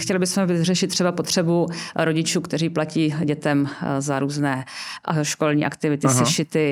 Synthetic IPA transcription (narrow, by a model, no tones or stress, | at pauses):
xcɛlɪbɪsmɛvɪrɛʃɪt̪̚ːr̥ɛbapot̪r̝̥ɛbuɾoɟɪt͡ʃuːkt̪ɛriːplaciːɟɛt̪ɛmzaɾuːznɛːʔaʃko̞lɲiːʔa̰kt̪ɪvɪt̪ɪsɪʃɪt̪ɪ